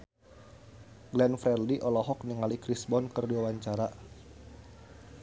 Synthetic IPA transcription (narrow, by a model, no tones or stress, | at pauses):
ɡlɛnfɾɛrdiʔɔlɔɦɔk̚niŋalikɾisbɔnkərduawaɲt͡ʃaɾa